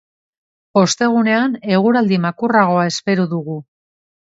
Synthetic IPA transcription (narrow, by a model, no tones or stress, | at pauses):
o̞st̪e̞ɣ̞une̞ane̞ɣ̞uɾald̪imakuraɣ̞o̞ae̞spe̞ɾuðuɣu